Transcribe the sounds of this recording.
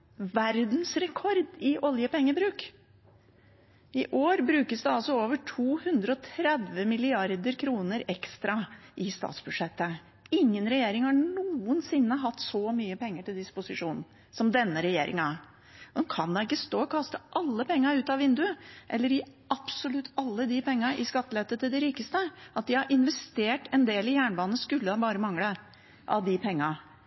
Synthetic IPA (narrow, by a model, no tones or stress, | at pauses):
ʋæɾd̪n̩sɾɛkʰɔɾd̪ɪʔɔljəpɛŋːəbɾʉːk | ɪʔoːɾbɾʉːkəsd̪ɛɑlsɔoːʋəʈʰuːhʉnd̪ɾəɔt̪ʰɾɛd̪ʋəmɪlɪɑɾd̪əɾkʰɾuːnəɾɛkst̪ɾɑʔɪst̪ɑ̰ːt̪sb̥ʉd̪ʂɛt̪ːə | ɪŋːənɾɛjeːɾɪŋhɑɳuːənsɪnːəɦɑt̪ːsɔmyːəpɛŋːəʈɪld̪ɪspʊsɪʂuːnn̩ | sɔmd̪ɛnːəɾɛjeːɾɪ̰ŋæ | kʰɑnd̪ɛɪkːəst̪oːkʰɑst̪əʔɑlːəpʰɛŋːɑʉːt̪ɑʋɪnd̪ʉʔɛlːəɾɪʔɑpsɔlʉt̪ʰːɑlːəd̪ɪpɛŋːɑʔɪskɑt̪ːəlɛt̪ːət̪ʰɪld̪ɪɾiːkəst̪əʔɑt̪̚d̪ɪhɑɾʔɪnʋɛst̪eːʈɛnd̪eːlɪjæːɳbɑːnəskʉlːəhɑbɑːɾəmɑŋːlə | ʔɑ̰ʋd̪ɪpʰɛŋːɑ